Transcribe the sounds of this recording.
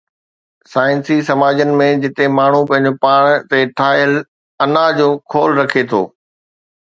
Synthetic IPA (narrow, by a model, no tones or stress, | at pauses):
saːɪnsisɐmaːd͡ʑənɪ̆mẽd͡ʑɪt̪emaːɳ̤upɐ̃ɦɪ̃ɲ̆d͡ʑopaːɽ̃t̪eʈʰaːəl | ɐnad͡ʑoːkʰoːlɾɐkʰet̪ʰo̰ː